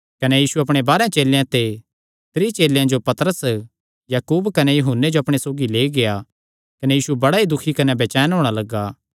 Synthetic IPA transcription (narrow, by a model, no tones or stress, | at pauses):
kɐnejiːsuɐpɽ̃ebaːɾejãt͡ʃeːlejãt̪e | t̪ɾiːt͡ʃeːlejãd͡ʒopɐt̪ɾəs | jaːkuːbkɐnejʊɦʊnːed͡ʒoɐpɽ̃esoːɡileːiɡeja | kɐnejiːsubɐɽaid̪ʊkʰːikɐnebeːt͡ʃɛːnɦoːɽ̃alɐɡaː